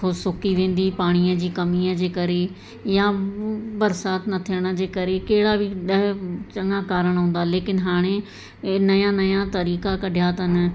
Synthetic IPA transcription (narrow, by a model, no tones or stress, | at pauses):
xʰʊsʊkiʋẽːn̆d̪iːpaːɽ̃iə̃d͡ʑiːkɐmiə̃d͡ʑeːkɐɾe | jãbɐɾsaːt̪nɐt̪ʰijəɽ̃əd͡ʑeːkɐɾekɐɦɪɽabʱiɗɐɦt͡ɕɐ̃ŋakaːɾəɽ̃ɦũːn̆d̪aːleːkɪnɦaːɽ̃e | nɐjãːnɐjat̪ɐɾiːkakɐɖʱɪjat̪ɐn